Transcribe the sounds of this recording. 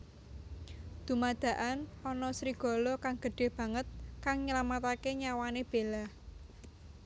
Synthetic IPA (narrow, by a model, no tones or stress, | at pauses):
d̪̥ṳmad̪̥ä̤ʔanɔnɔsɾiɡ̥ɔ̤lɔkaŋɡ̥ə̤ɖ̥e̤hb̥ä̤ŋət̪̚kaŋɲəlamat̪akeɲawaneb̥elah